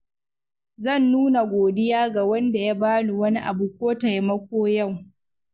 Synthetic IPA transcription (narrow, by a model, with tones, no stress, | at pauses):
zɐ˦˨nːuː˦na˨ɡʷoː˨dɪ˦jaː˦ɡa˨wɐ˦nda˨ja˦baː˦nu˨wɐ˦ni˦ʔa̰˨bu˨kʷoː˦ta˨ja˦mɐ˦kʷoː˦ja˦˨w